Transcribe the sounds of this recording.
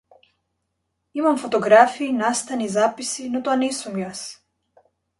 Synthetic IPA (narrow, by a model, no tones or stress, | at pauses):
imamfot̪oɡɾafiːnast̪anizaːpisinot̪oaniːsumjas